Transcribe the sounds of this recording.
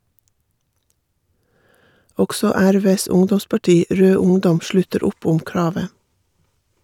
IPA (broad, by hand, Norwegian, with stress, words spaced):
ˈɔksɔ ˈæɾˌʋeːs ˈʊŋdɔmspɑˌʈiː ˈɾøː ˈʊŋdɔm ˈʃlʉtəɾ ˈʊp ˈʊm ˈkɹɑːʋə